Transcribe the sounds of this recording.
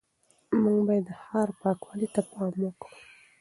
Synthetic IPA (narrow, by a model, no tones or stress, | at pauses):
muŋɡbɑjed̪ːəhɑɾpɑkwalit̪apɑmwokɽu